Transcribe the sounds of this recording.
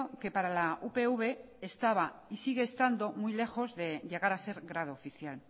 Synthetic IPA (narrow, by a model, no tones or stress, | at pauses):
oke̞paɾalaupe̞uβe̞ːst̪aβaisiɣe̞ːst̪and̪o̞mujle̞xo̞zðe̞ʝe̞ɣ̞aɾase̞ɾɣɾað̞oːfiθjal